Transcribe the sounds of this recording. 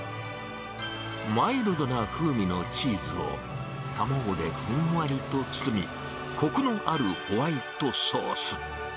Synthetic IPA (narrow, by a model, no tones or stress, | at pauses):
maiɾɯd̪onaɸɯ̟ːmʲino̞t͡ɕiːzɨo̞̰ | t̪amoːd̪e̞ɸɯ̃ɰ̃βaɾʲit̪o̞t͡sɨ̥t͡sɨmʲḭ | ko̞kɯ̟no̞ʔaɾɯ̟hoβait̪o̞soːsɨ̥